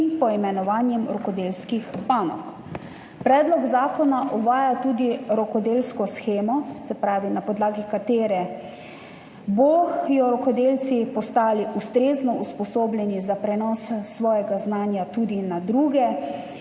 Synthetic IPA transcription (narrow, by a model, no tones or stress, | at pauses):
npɔimɛnɔʋaːnjɛmɾɔkɔd̪elskixpaːnɔ̰k | pɾɛːd̪lɔɡzaːkɔnaʔɔʋaːjat̪uːd̪iɾɔkɔd̪eːlskɔsxeːmɔsɛpɾaːʋinapɔd̪laːɡikat̪eːɾɛ | bɔjɔɾɔkɔd̪eːlsipɔst̪aːliust̪ɾeːznɔuspɔsoːblʲɛnizapɾɛnɔːsːʋɔːjɛɡaznaːnjat̪uːd̪inad̪ɾuːɡɛ